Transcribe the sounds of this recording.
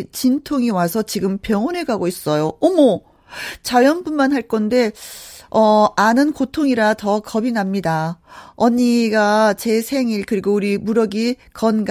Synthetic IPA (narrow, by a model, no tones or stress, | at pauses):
t͡ɕintʰoŋiwasʰʌt͡ɕiɡɯmpjʌŋʌneɡaɡois͈ʌjoʌmʌ | t͡ɕajʌnbunmanɦaɭk͈ʌnde̞ | ʌanɯnkotʰoŋiɾatʌkʌbinamɲidaʌɲiɡat͡ɕe̞sʰe̞ŋiɭkɯɾiɡouɾimuɾʌɡikʌnɡ